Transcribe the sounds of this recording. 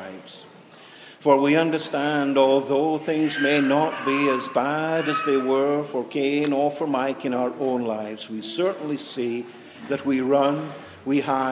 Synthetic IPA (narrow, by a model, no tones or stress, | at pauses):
ɪvz̥ | fə˞wiʌ̃ndə˞stæ̃ndɔlˠðoθɪ̃ŋzmeɪnət̚b̥iɨzbæɾɨzðeɪwə˞fə˞kʰẽnɔfə˞maɪkɨ̃ñaʊə˞ʔõʊ̃nlaɪvz̥wisɜ˞ʔn̩lisi | ðɨt̚wiɹʌ̃n | wiɦa